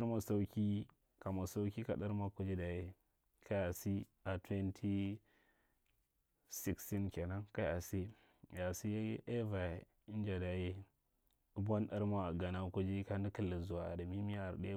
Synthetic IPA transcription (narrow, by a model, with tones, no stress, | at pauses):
a˦ɾma˨sa˦wkʲi˦ | ka˨ma˨sa˦wkʲi˦ka˨ɗa˦ɾma˦ko˦d͡ʒi˦da˨je˦ | ka˦a˨si˦ | a˨twe˦ntʰi˦ | si˦ksti˦nkʲe˨na˦ŋka˦a˨si˦˨ | ja˨si˦jʔe˦va˨ | i˦n˦d͡ʒa˨da˨je˦ | bo˦nɗa˦ɾma˨ɡa˨na˦ko˦d͡ʒi˦ka˦ni˦kə˦˨lːi˨zu˨wa˨a̰˨da˨mi˦mi˦ja˨ɾɗe˦